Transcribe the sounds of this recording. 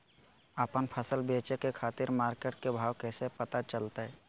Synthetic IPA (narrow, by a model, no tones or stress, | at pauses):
əpənpʰəsəlbeːt͡ʃekekʰaːt̪ɪɾmaːɾkeːʈ̚kebʱaːwkɛːsepət̪at͡ʃəlt̪aɦɛ